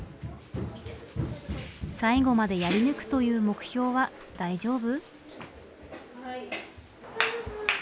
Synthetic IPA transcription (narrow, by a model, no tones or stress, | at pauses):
saiɡo̞mad̪e̞jaɾʲinɯ̟kɯ̟̥t̪o̞jɯ̟ːmo̞kɯ̟̥ço̞ːβa | d̪̥aiʑo̞ːbɯ̟